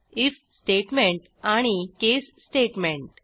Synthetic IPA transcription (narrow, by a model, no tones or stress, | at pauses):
if | sʈeʈmẽɳʈ | aɽ̃ikesːʈeʈmẽɳʈ